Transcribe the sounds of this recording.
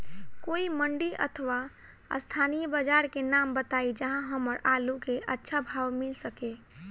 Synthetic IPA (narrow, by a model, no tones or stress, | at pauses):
koːiməɳɖiʔə̰t̪ʰəʋa | ə̰st̪ʰanijəbəd͡ʒaːɾkenambət̪aid͡ʒəɦãɦəməɾalukeʔətːʃʰabʱaːʋmɪlsəke